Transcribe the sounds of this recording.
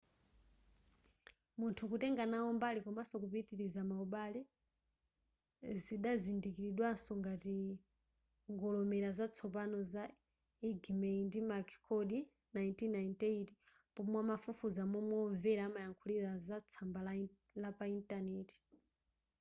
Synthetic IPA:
muntʰukutɛŋɡanaɔmbalikɔmasɔkupitiɾizamauɓalɛ | ziɗazindikiɾiɗwansɔŋɡati | ŋɡɔlɔmɛɾazat͡sʰɔp̬anɔza | iɡmɛindimakʰkʰɔɗi | najintinaintɛiti̥ | pɔmwamafufuzamwɛmwɔːɱvɛɾamajaŋkʰuliɾazat͡sʰambala | lapaintanɛti̥

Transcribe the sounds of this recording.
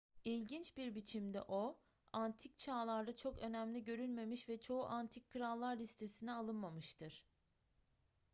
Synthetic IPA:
ilʲɟint͡ʃbiɾbit͡ʃʰimd̪ɛ̰ʔo̞ | ant̪ʰic̚t͡ʃʰaːlˠaɾd̪at͡ʃʰo̞kø̞næmlʲiɟø̞ɾylʲme̞miʃvɛt͡ʃʰo̞uʔant̪ʰicʰːɯɾalˠːaɾːist̪ʰe̞sinɛalˠɯnmamɯʃt̪ʰɯɾ̥

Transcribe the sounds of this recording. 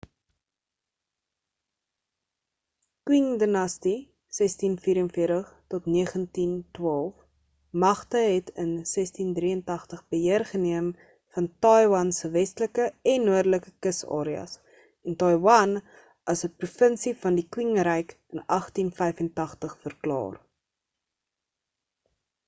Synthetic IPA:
kwiŋdənɐsti | sɛstinfiːɾənfiərtəχtɔtniəχəntintwɑːlˠf | mɐχtəɦɛtʰənsɛstindriəntɐχtəχbəɦiərχəniəm | fɐntɑjwɐnsəvɛstləkəɛnːuərdələkəkəsɑ̰ːɾiɐ̰s | ɛntɐjwɐn | ɐsəprufənsifɐndikwiŋɾɛjkənɐχtinfɛjfəntɐχtəχfərklɑ̰ːr

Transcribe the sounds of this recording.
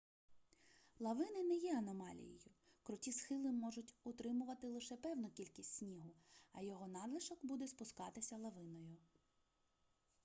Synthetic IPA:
lˠɐʋɪnɪnɛjɛɐnɔmɑlʲḭjḭjʊ | kɾʊtʲisxɪlˠɪmɔʒʊtʲʊt̪ɾɪmʊʋɐt̪ɪlˠɪʃɛpɛwnʊkʲilʲkʲisʲtʲsʲnʲiɦʊɐ̰jɔɦɔnɑd̪lˠɪʃɔɡbud̪ɛspʊskɑt̪ɪsʲɐlˠɐʋɪnɔjʊ

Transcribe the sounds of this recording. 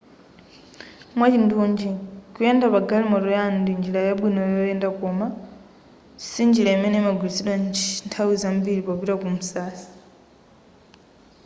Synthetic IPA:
mwat͡ʃintʰuːɲd͡ʒikujendapaɡalimɔɾujaːndind͡ʒilajaɓwinɔjɔjendakoma | sind͡ʒilamɛnemaɡwisiɗwanntʰawizambiɾipopiɾakumusaːsi̥

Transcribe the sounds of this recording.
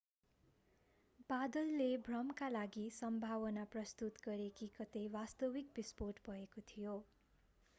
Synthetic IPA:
bad̪ʌlːebʱrʌmkalaɡisʌmbʱawʌnaprʌst̪ut̪ɡʌɾekikʌt̪ejwast̪ʌwik̚bisporʈbʱʌekot̪ʰijo

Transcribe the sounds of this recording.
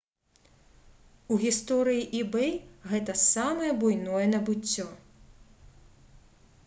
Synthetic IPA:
uɣʲist̪ɔɾɨjiʔibɛjɣɛt̪ɐsamɐjɛbujnɔjɛnɐbɨt͡sʲːɔ

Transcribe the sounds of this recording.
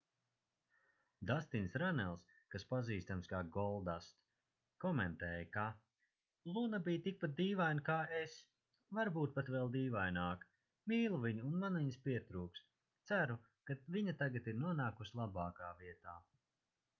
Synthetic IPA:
d̪ast̪insɾanɛlˠs | kaspaziːst̪amskaːɡɔlˠd̪ast̪ | kɔmɛnt̪ɛːjka | lˠunabiːjt̪ik̚pat̪̚d̪iːvajnkaːes | vaɾbuːt̪̚pat̪vɛlˠd̪iːvajnaːk | miːlˠuviɲuunmanviɲspiɛt̪ɾuːks | t̪sæɾu | kaviɲat̪aɡat̪iɾnuɔnaːkuslˠabaːkaːviɛt̪aː

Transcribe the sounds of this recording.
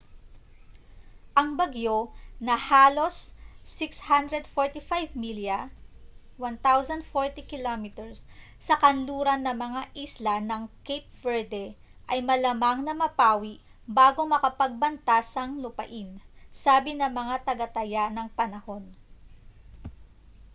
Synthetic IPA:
ʔɐŋbɐɡjo̞nɐhaːlo̞sːɪkshand̪ɾɛd̪foɹt̪ifajvmiljɐ | want̪awzɐnd̪foɹt̪ikɪlomit̪ɛɹsː | ɐkɐnluːɾɐnːɐmɐŋaʔislɐnɐŋkejp̚vɛɹd̪ɛʔɐjmɐlɐmaŋnɐmɐpaːwiʔbaːɡo̞mɐkɐpɐɡ̚bɐnt̪asɐŋlʊpɐ̰ʔɪnsaːbɪnɐmɐŋat̪ɐɡɐt̪ɐjanɐŋpɐnɐho̞n

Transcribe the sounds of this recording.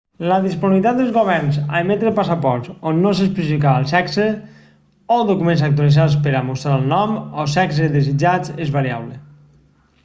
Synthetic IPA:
ləðisponiβit̪at̪d̪elˠzɣoβɛɾnza̰emet̪ɾepasapɔɾt̪sonːos̬espɾizikaalˠsɛkse | oðokumẽns̬ak̚t̪ualizas̬peɾamust̪ɾaəlˠnɔmɔsɛks̬eðezid͡ʒat͡sezβaɾia̰βle

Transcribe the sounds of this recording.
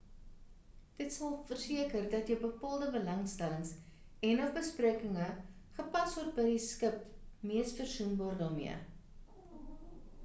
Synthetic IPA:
d̥ətsɐlˠfərsiəkərdɐtjəwbəpɑːlˠdəbəlɐŋstæləŋs | ɛnɔχbəspriəkəŋə | χəpɐsɔrt̚bəjdiskəpmiəsfərsunbɑːrdɑːmḭə̰

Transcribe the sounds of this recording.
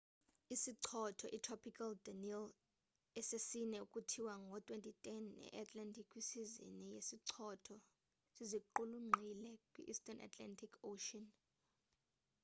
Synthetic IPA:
isiǀʰɔtʰɔʔitʰrɔpʰikʰaldanil | ɛsesinɛukʼutʰiwaŋɡʱɔtʼwentʼitʼɛnɛ̰ʔatʰʼlantʰʼikʰwisizḭnijesiǀʰɔtʰɔ | siziǃuluŋ͡ǀʱilɛkʼwḭʔːstʼɔnʔa̰tʼla̰ntʰʼikʰoʃɔn

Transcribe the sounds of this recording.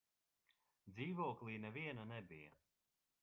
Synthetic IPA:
d̪ziːvɔːklˠiːnɛviɛnanɛbija̰

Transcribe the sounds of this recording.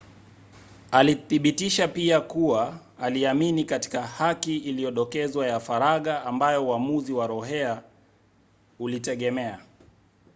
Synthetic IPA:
aliθiɓitiʃapiakuwaː | liaminikati̥kahakiːlijɔɗɔkɛzwajafaɾaɠaːmbajɔuamuziwaɾɔɦɛa | ulitɛɠɛmɛa

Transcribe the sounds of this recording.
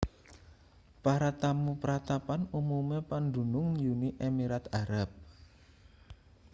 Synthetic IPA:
paɾat̪amupəɾat̪apanumumepand̪ṳnʊŋjuniʔemiɾat̪aɾap̚

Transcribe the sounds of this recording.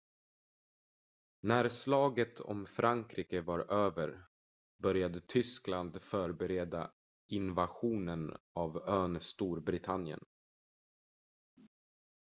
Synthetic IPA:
næɾslɑːɡət̪ʰɔ̰mfɾʔaŋkʰɾiːkəvaɾøːvəɾ | bœɾjad̪ət̪ʰʏskland̪fœːɾbɛɾeːd̪a̰ | ɪnvaɧuːnənavøːnst̪uːɾbɾɪt̪ʰanjə̰n

